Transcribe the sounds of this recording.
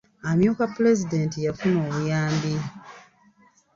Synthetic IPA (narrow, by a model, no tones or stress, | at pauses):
amjuːkapule̞zide̞ntijafuno̞ːβujaːmbi